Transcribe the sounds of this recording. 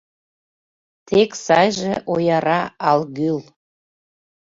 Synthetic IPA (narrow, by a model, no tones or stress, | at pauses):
t̪ʰeksɑjʒeʔojɑɾɑɑlɣyl